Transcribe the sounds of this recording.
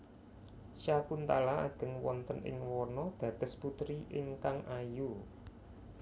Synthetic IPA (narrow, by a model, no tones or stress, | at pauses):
sjakunt̪alaa̰ɡ̥ə̤ŋwɔnt̪ənʔɪ̰ŋwɔrnɔd̪̥ä̤d̪̥əsput̪ɾiʔɪŋkaŋʔaju